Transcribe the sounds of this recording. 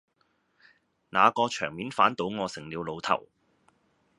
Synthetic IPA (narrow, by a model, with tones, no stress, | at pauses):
naː˨˧kɔː˧t͡ʃʰœː˨˩ŋmiː˨˥nfaː˨˥nt̪o˨˥wŋɔː˨˧sɪ˨˩ŋliː˨˧wlo˨˧wt̪ʰɐ̰˨˩w